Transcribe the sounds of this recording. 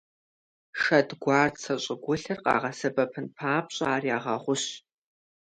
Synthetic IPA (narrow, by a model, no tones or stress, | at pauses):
ʃɐdɡʷɑːrsʰɐɕʼɪɡʷʊɬɐrqɑ̰ːʁɐsɐbɐpʰɨnpʰaːpɕʼaːriaːʁɐʁʷʊɕ